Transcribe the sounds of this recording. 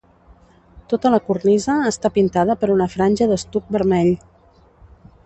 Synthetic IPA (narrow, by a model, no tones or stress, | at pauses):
t̪ot̪ələkurnizəːst̪apint̪að̞əpəɾunəfɾanʲʒəðəst̪uk̚bəɾmɛʎ